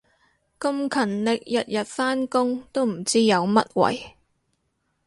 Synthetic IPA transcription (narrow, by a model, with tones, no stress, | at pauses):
kɐ˧mkʰɐ˨˩nlɪ˨k̚jɐ˨t̚jɐ˨t̚faː˥nkʊ˥ŋt̪o˥wm̩˨˩t͡siː˥jɐ˨˧wmɐ˥t̚wɐ̰˨˩j